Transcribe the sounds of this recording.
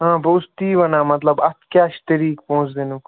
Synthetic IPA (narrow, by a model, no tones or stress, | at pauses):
ɦãːbəʊst̪iːʋɐnaːmɐt̪ləbɐt̪kaːʃt̪ɪɾiːk̚pɔ̃ɦʊ̃t͡ʃd̪eːnuk